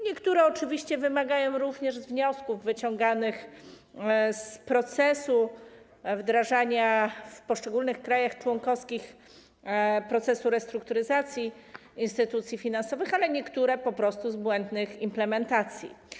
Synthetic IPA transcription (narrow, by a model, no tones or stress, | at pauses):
ɲɛkt̪uɾɛɔt͡ʂɘvʲiɕt͡ɕɛvɘmaɡajɔ̃w̃ɾuvɲɛʐzvɲɔskuvːɘt͡ɕɔ̃ŋɡanɘx | spɾɔt̪sɛsu | vd̪ɾaʐaɲafpɔʂt͡ʂɛɡulnɘxkɾajaxt͡ʂwɔŋkɔfskʲix | pɾɔt̪sɛsuɾɛst̪ɾuk̚t̪uɾɘzat̪sʲji | inst̪ɘt̪ut̪sʲjifʲinansɔvɘxalɛɲɛkt̪uɾɛpɔpɾɔst̪uzbwɛnd̪nɘximplɛmɛnt̪at̪sʲjḭ